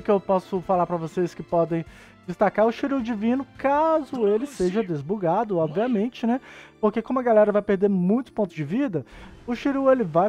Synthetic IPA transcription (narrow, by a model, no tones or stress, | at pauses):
kɪewpɔsʊfalaɾpɾɐvoseskɪpɔd̪ẽj̃ | d͡ʒɪst̪akaɾʊʃiɾud͡ʒivĩnʊkazʊelɪseʒɐd̪ezbuɡad̪ʊɔbviamẽnt͡ʃɪnɛpoɾkekõmʊɐɡalɛɾɐvajpeɾd̪eɾmũj̃t̪ʊ̥põnt̪ʊd͡ʒɪvid̪ɐʊʃiɾuelɪvaj